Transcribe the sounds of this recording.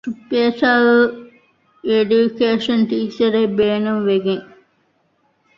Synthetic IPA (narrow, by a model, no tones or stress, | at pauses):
ʈupːeːsaːl | eɖukeːʂɐnʈiːsɐɾebeːnumʋeɡeŋ